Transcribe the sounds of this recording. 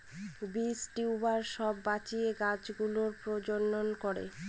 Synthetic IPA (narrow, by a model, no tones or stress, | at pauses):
bisʈiubaɾʃɔbːat͡ɕieɡad͡ʑɡuloɾpɾod͡ʑonːonkɔɾḛ